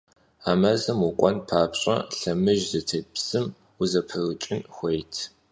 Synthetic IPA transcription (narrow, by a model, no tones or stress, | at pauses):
aːmɐzɐmukʷʼɔnpʰaːpɕʼɐ̰ɬɐmɨʒzɐtʰɐpsɨm | uzɐpʰɐrɨt͡ʃʼɪnxʷejtʰ